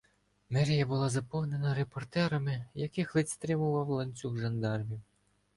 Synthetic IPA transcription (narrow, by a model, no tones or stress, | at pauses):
mɛɾʲijɐbʊlˠɑzɐpɔwne̞nɐɾe̞pɔrt̪ɛɾɐmɪjɐkɪxlˠɪt̪ʲst̪ɾɪmʊʋɑwlˠɐnʲt͡sʲuxʒɐnd̪ɑrʋʲiw